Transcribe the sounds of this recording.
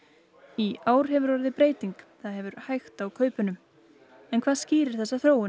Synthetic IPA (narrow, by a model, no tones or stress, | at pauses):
iaːwɾ̥ɦɛvʏɾɔɾðɪpɾeːjt̪iŋkθaðɦɛvʏɾhajxt̪awkʰœːɥpʏnʏm | ɛnkʰv̥aːðsciːɾɪɾ̥θɛsːaθɾoːwɪ